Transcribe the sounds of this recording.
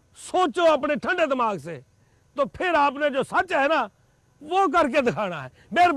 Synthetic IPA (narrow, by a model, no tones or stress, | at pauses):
soːt͡ʃoːaːpɽeːʈʰə̃ɳɖeːd̪ɪmaːɡseː | t̪oːpʰɪɾaːp̬nẽːd͡ʒoːsət͡ʃɦɛːnaː | ʋoːk̬əɾk̬ed̪ɪkʰaːɽ̃aːɦɛːmeːɾ